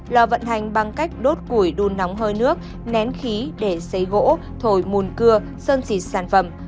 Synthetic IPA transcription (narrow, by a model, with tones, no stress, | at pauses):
lɔː˧˩və̰˧˨nt̪a˨˩jŋ̟ɓa˧ŋka˦˥jk̟̚ɗo˦˥t̚ku˧˩jɗu˧nːa˨˦wŋ͡mɦəː˧jnɨ˦˥ək̚ | nɛ˨˦nxi˨˦ɗe˧˩sə˨˦jɣo̰˧˥ | t̪ʰo˧˩jmu˨˩nkɨ˧ə | səː˧nsi˨˩t̚saː˧˩nfə˧˩m